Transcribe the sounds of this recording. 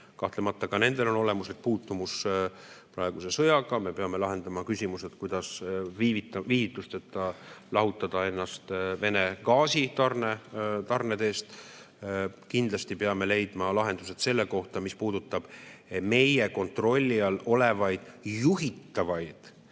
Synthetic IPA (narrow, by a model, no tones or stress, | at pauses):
kɑht̪le̞mɑt̪ːˑɑkɑne̞nd̪̥e̞lo̞no̞le̞muslik̚ːpuːt̪ːumus | prɑeɡ̥use̞sɤjɑɡɑme̞pe̞ɑme̞lɑɦe̞nd̪ɑmɑkysʲimuse̞t̪kujd̪ɑsviːvit̪ːˑɑviːvit̪ːˑust̪et̪ːˑɑlɑɦut̪ːˑɑd̪̥ɑe̞nːɑst̪ve̞ne̞ɡɑːsit̪ɑrnet̪ɑrnet̪e̞ːst̪ | kind̪lɑst̪ipeɑme̞le̞jd̪mɑlɑɦe̞nd̪̥use̞d̪se̞lːe̞ko̞ht̪ɑmispuːd̪ut̪ːˑɑb̥me̞je̞ko̞nt̪ro̞lʲːiɑlo̞le̞vɑjd̪̥juɦit̪ːɑvɑjd̪̥